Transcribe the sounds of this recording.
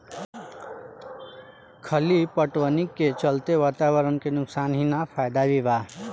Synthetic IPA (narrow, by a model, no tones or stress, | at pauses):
kʰəlipəʈwənikːet͡ʃəlt̪eʋaːt̪awəɾənkenʊksanɦinapʰajd̪aʋibaɦ